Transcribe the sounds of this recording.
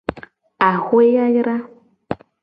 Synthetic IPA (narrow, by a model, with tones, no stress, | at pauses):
a˨hwe˦ja˦jɾa˦